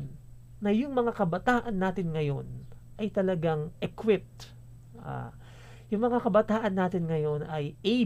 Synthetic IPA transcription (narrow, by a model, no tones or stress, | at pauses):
n | nɐjʊŋmɐŋakɐbɐt̪aːʔɐnːaːt̪ɪnŋɐjo̞nʔɐjt̪ɐlɐɡaŋʔɛkwɪp̚t̪ | ʔa̰ː | jʊŋmɐŋakɐbɐt̪aːʔɐnːaːt̪ɪnŋɐjo̞nɐje